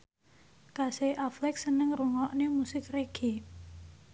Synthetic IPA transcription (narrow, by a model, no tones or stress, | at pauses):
kaseʔaflɛk̚sənəŋruŋɔʔnemusɪkreɡ̥i